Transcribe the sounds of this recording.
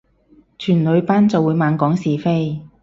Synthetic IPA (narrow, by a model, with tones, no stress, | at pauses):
t͡ʃʰyː˨˩nlɵ˨˧ɥpaː˥nt͡sɐ˨wːuː˨˧jmaː˨˧nkɔː˨˥ŋsiː˨fe˥j